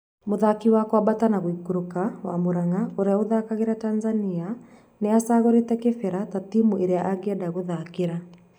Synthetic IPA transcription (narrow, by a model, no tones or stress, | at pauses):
moðakiwakwabatanaɣoiɡoɾokawamoɾaŋaoɾeaoðakaɣeɾataːnzania | neasaːɣoɾetɛkefɛɾatatimuʔeɾeaʔaɡeɛdaɣoðakeɾa